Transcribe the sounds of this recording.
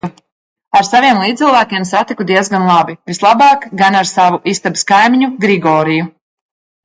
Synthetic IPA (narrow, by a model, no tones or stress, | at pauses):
aɾsaviɛmlˠiːɨlˠvæːkʲiɛmsat̪ikud̪iɛzɡanlˠabivislˠabɑːkɡanaɾsavuʔist̪abskajmiɲuɡɾiɡɔːɾiju